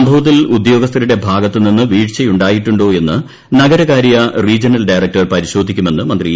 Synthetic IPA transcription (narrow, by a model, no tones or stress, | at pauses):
mbʱɐʋɐt̪̬ːilud̪jo̞ːɡɐst̪ʰɐɾuɽe̞bʱaːɡɐt̪ːɨninːɨʋiːʈt͡ɕejuɳɖaːjiʈːuɳɖo̞ːe̞nːɨ | nɐɡɐɾɐɣaːɾijɐriːd͡ʑɐnɐlɖɐjrɐk̚ʈɐrpɐɾiɕo̞ːd̪ʱikʲːume̞nːɨmɐnd̪ri